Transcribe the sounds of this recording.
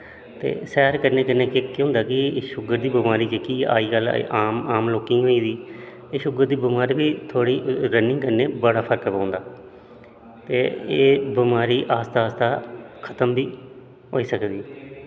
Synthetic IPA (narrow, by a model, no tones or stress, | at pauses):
t̪ḛːsɛːɾkəɾneːkənːeːkɪkːɦʊ̃nd̪aːkɪʃʊɡəɾd̪iːbɪmaːɾiːd͡ʒekiːa̰ːiːɡəl̰aːmaːmloːkĩːɦoːiːd̪iː | eːʃʊɡəɾd̪iːbɪmaːɾiːbiːt̪ʰoːɽiːɾənɪ̃ŋɡkəɾneːbəɽaːpʰəɾkpãːnd̪aː | t̪eːeːbɪmaːɾiːʔaːst̪aːst̪aːkʰət̪əmbiː | ɦoːiːsəkd̪iː